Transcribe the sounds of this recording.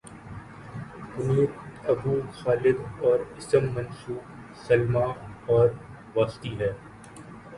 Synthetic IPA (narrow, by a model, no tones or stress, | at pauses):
kʊmiːɾɐbuːxaːlɪd̪ɔːɾɪsəmːɐ̃nsuːq | sɐlmaːɔːɾ | ʋaːst̪iːlɛː